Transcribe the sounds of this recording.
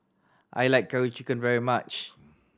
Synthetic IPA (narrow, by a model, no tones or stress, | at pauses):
ʔa̰jlaɪk̚ʰːaɹit͡ʃikə̃nvɛɹimat͡ʃ